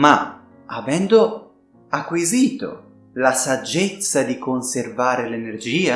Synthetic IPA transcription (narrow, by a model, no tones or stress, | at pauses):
ma | avɛnd̪o | akːwiziːt̪o̰ | lasad͡ʒːet̪sːad̪ikonservaːɾelenerd͡ʒiːa